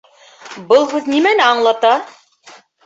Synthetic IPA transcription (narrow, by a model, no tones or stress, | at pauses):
bɤlˠhʉðnimænæɑɴlˠɑt̪ɑ